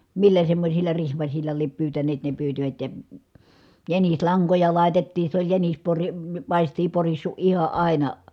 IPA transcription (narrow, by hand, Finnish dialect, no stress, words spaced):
milːæ semːosʲilːɑ rihmɑsilʲlɑ liep pyːtæneːt ne pyːtiʋæt jɑ jænislɑŋkojɑ lɑˑi̯tetːiːn̞ se olʲ jænis pori pɑˑistiː porisːu ʔihɑ ʔɑˑinɑ